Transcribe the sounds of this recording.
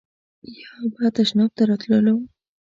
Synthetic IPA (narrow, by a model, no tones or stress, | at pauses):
jabat̪aʃnɑb̚t̪aɾɑt̪ləlaw